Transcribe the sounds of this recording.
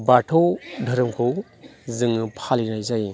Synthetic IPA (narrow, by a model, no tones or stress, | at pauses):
baʈʰɔwdʱɐɾɯmkʰɯw | zɯŋɯpʰaliɾajzaj